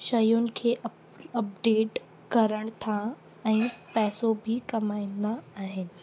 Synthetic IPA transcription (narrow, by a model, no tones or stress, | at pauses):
ʃɐjʊnɪ̆kʰeːʔ | ɐp̚ɖeːʈ | kɐɾəɽ̃t̪ʰa | ɛ̃ːpɛːsobʱɪkɐmaːĩnd̪aːɦɪnɪ̆